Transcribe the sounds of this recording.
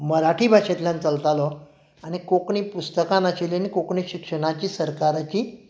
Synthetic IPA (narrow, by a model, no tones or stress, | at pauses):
məɾaʈʰiːbʱaɕet̪ljãnt͡səlt̪alɔ | aɽ̃ikokɳiːpust̪əkãnaɕelenikokɳiɕikʂəɽ̃at͡ɕiːsəɾkaɾat͡ɕiː